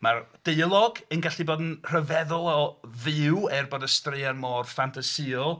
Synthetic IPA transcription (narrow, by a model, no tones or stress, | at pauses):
mard̥ejlˠɔɡənɡaɬiboːdn̩r̥əvɛðɔlˠɔðɪwɛrbɔdəstrɪarmɔrfantʰasɪɔlˠ